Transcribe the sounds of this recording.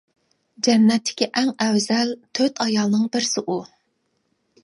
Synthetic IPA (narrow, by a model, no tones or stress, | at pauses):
d͡ʒɛnːɛt̪ʰːɪ̥kʲiʔɛŋɛwzɛlt̪ʰøt̪ʰɑjɑlˠnɨŋbɪɾsɪʔu